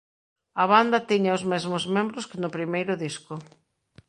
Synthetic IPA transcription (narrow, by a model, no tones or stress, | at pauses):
ɐβand̪ɐt̪iɲaozmezmʊzmẽmbɾʊskɪnʊpɾimejɾʊðiskʊ